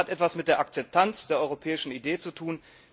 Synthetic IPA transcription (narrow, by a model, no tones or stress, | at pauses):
atʔɛtv̥asmɪt̚d̥eːɐʔak̚t͡sɛp̚tʰant͡sd̥eːɐʔɔʏʁ̞opʰɛːɪʃn̩ideːt͡sutʰuːn